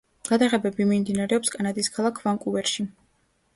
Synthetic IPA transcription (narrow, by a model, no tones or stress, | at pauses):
ɡ̥ad̪aʁɛbɛbimimd̪inaɾɛɔpskʼanad̪iskʰalˠakʰvaŋkʼuvɛɾʃi